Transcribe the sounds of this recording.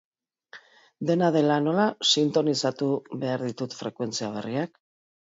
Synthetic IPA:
d̪e̞naðe̞lano̞lasint̪o̞nisat̪uβe̞aɾðit̪ut̪fɾe̞kwe̞nt͡siaβ̞e̞riak

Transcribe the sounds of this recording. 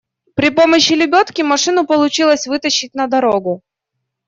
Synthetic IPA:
pɾʲɪpo̞məɕːɪlʲɪbʲot̪kʲɪmɐʂɨnʊpəlˠʊt͡ɕilˠəsʲvɨt̪əɕːɪtʲnɐd̪ɐɾoɡʊ

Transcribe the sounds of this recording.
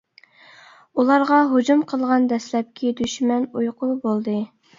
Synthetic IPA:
ulˠɑɾʁɑɦod͡ʒumqʰəlˠʁɑnd̪ɛslɛp̚kʲʰid̪yʃmɛnujqʰʊbolˠd̪ɨ

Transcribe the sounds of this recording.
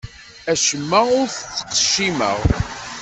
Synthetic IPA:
æʃəmːæʊɾθət͡sːə̥qːʃimə̰ʁ

